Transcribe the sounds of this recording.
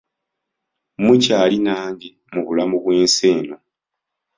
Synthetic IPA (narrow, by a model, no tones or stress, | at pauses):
mucaːlinaːŋɡe | muβulamuβweːnseːno